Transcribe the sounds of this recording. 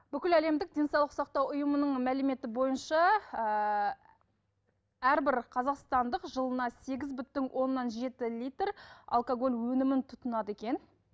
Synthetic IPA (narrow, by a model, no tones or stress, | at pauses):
b̥ʏkʲɪlæle̞md̪ɪk̚d̪ʲe̞nsɑwlˠəqsɑqt̪ɑwʊjəmənəɴmælɪme̞t̪ɪbo̞jənʃɑ | æɾbɪɾqʰɑzɑqst̪ɑnd̪əqʒəlˠənɑse̞ɡʲɪzbʏt̪ːɪŋwʔo̞nːɑnʒe̞t̪ɪlʲijt̪ra̰lˠkoɡo̞lʲwɵnɪmɪnt̪ʰʊt̪ənɑd̪əe̞kʲe̞n